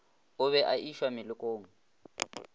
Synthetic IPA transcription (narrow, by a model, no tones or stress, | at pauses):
ʊβɛʔaʔiʃwamɪlʊkʼoːŋ̩